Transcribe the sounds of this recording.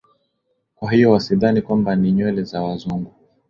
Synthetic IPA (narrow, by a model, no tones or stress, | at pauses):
kwaɦiɔwasiðanikwambaniɲwɛlɛzawazuŋɡu